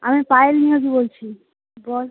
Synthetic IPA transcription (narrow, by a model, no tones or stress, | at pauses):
amipaelniod͡ʑibolt͡ɕʰi | bɔl